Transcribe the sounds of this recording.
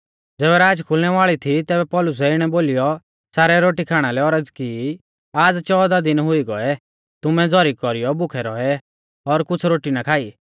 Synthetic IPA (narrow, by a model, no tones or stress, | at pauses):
d͡zɛːβɛɾaːd͡ʒkʰʊlnɛʋaːɭit̪ʰit̪ɛːbɛpɔlʊs̬ɛɪɽ̃ɛboːlijɔ | saːɾɛɾoːʈikʰaːɽ̃alɛɔɾəd͡zki | aːd͡zt͡ʃɔːd̪ad̪ɪnɦʊiɡɔɛ | t̪ʊmɛd͡zɔɾikkɔɾijɔbʊkʰɛɾɔɛ | ɔɾkʊt͡sʰɾoːʈinakʰaːi